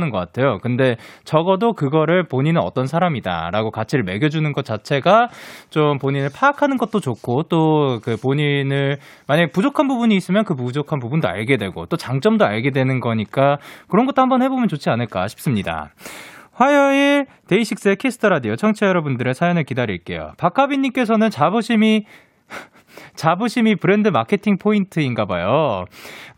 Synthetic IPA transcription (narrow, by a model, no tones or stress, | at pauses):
nɯnɡʌk͈atʰe̞jokɯnde̞t͡ɕʌɡʌdokɯɡʌɾɯɭpoɲinɯnʌ̰t͈ʌnsʰaɾamida̰ɾa̰ɡokat͡ɕʰiɾɯɭme̞ɡjʌd͡ʑunɯnɡʌt̚t͡ɕ͈at͡ɕʰe̞ɡat͡ɕompoɲinɯɭpʰaakʰanɯnɡʌt̚t͈ot͡ɕokʰːot͈okɯpoɲinɯɭ | maɲaɡepud͡ʑokʰanbubuɲiːs͈ɯmjʌnkɯpud͡ʑokʰanpubundoa̰ɭɡe̞dwe̞ɡo̰t͈ot͡ɕaŋt͡ɕ͈ʌmdoa̰ɭɡe̞dwe̞nɯnɡʌɲik͈akɯɾʌnɡʌt͈ohambʌnhe̞bomjʌnt͡ɕot͡ɕʰianɯɭk͈a̰ɕʰi̥p̚s͈ɯmɲida̰ | ɸwajʌi | te̞iɕʰik̚s͈ekʰe̞sʰɯ̥tʰɯɾadijot͡ɕʰʌŋt͡ɕʰejʌɾʌbundɯɾe̞sʰajʌnɯɭkidaɾḭɭk͈e̞̰jo̰pakʰabiɲːimk͈e̞sʰʌnɯnt͡ɕaboɕʰimi | t͡ɕabuɕʰimipɯɾe̞ndɯmakʰe̞tʰiŋpʰointʰɯinɡaba̰jo